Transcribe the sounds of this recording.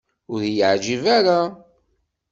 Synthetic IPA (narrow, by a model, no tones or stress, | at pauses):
ʊɾjəʕd͡ʒivæɾa